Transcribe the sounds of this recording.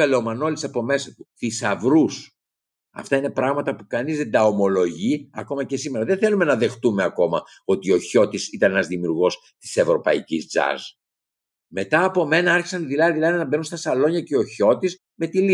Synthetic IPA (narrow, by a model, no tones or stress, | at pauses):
elomɐno̞lisɐpo̞me̞sɐt̪uθisɐvɾus | ɐ̰ft̪ɐine̞pɾɐɣmɐt̪ɐpukɐnizðend̪ɐo̞mo̞lo̞ʝiɐ̰ko̞mɐcesimeɾɐðenθe̞lume̞nɐðe̞xt̪umeɐko̞mɐ | o̞t̪io̞ço̞t̪isit̪ɐne̞nɐzðimiuɾɣo̞s | t̪i̥se̞vɾo̞pɐ̰icizd͡zɐ̰z | me̞t̪ɐːpo̞me̞nɐɐɾçi̥sɐnðilɐðilɐðinɐbenunst̪ɐsɐlo̞ɲɐceoço̞t̪is | me̞t̪ili